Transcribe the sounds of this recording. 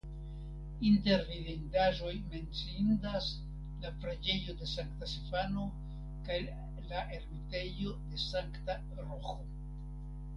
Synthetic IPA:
inte̞ɾviðindaʒo̞jme̞nt͡sindas | lafɾed͡ʒe̞jo̞de̞saŋktasifano̞ | kaj | laʔe̞ɾmite̞jo̞de̞saŋkta | ɾoxo

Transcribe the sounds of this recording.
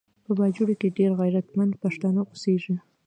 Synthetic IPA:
pəbɑd͡ʒuɽokeɖeɾɣajɾat̪mand̪paʂt̪anaʔoseʒi

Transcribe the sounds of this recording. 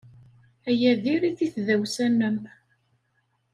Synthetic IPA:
æjæðiɾiθiθðæwsænːəm

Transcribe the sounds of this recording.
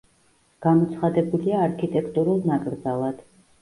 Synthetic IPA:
ɡ̥amɔt̪sʰχad̪ɛbuliaːɾkʰit̪ʼɛkʰt̪ʼuɾulˠnakʼɾd̪zalˠad̪̥

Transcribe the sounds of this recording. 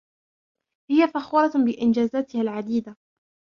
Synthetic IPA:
hɪjafaxuːɾˤɑbɪʔɪnd͡ʒaːzaːt̪ɪhalʕad̪iːd̪a

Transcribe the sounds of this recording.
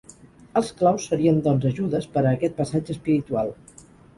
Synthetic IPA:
əlˠsklawsːəɾiənd̪ɔnzəʒuðəspəɾəːkɛt̪̚pəsad͡ʒəːspiɾit̪ualˠ

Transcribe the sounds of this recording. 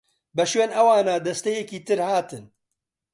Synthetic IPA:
bɛʃweːnɐwaːnaːd̪ɐst̪ɛjɛkiːt̪ɨɾhaːt̪ɨn

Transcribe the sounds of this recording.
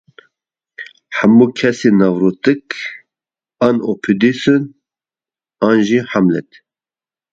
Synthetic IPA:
ħamːuːkʰɛsenɑːvɾut̪ɨk | ɑːnopʰid̪isɨn | ɑːnʒiːħamlɛ̰t̪

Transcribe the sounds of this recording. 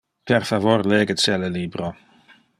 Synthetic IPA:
pʰɛrfavɔrlɛːɡəsɛləliːbɾɔ

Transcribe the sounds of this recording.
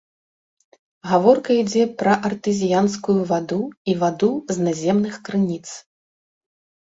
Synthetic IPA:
ɣavɔrkɐid͡zʲɛpɾɐʔɐrt̪ɨzʲijanskujuvad̪uivad̪uznazʲɛmnɨxkɾɨnʲit̪s

